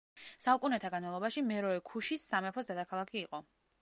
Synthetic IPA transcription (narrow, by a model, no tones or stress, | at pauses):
saukʼunɛt̪ʰaɡanmalˠɔbaʃimɛɾɔɛkʰuʃisːamɛpʰɔsd̪ad̪akʰalˠakʰiːqʼɔ